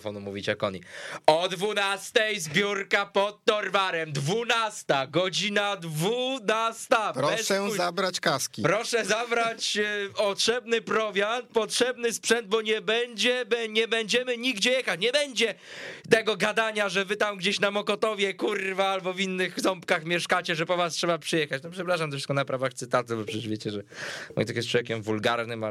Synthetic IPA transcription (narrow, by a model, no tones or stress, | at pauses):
fɔ̰numṵvʲit͡ɕɛ̰kɔ̰ɲḭɔd̪vunast̪ɛjzbʲjuɾkapɔt̪ːɔɾvaɾɛmd̪vunast̪aɡɔd͡ʑinad̪vunast̪apbɾɔɛsʂɛzabɾat͡ɕkaskʲipɾɔʂɛzabɾat͡ɕpɔtʂɛbnɘpɾɔvʲjant̪̚pɔtʂɛbnɘspʂɛnd̪̚bɔɲɛbɛɲd͡ʑɛbɛɲɛbɛɲd͡ʑɛmɘɲiɡd͡ʑɛjɛxat͡ɕɲɛbɛɲd͡ʑɛ | t̪ɛɡɔɡad̪aɲaʐɛvɘt̪amɡd͡ʑɛɕnamɔkɔt̪ɔvʲjɛkurvaalbɔvʲinːɘɣzɔmpkaxmʲjɛʂkat͡ɕɛʐɛpɔvastʂɛbapʂɨjɛxat͡ɕnɔpʂɛpɾaʂ̬amt̪ɔfʂskɔnapɾavaxt̪sɘt̪at̪ɛbɔpʂɛɛʐvʲet͡ɕɛʐɛmɔ̰jt̪akʲjɛst̪t͡ʂwɔvʲjekʲɛmvulɡaɾnɘma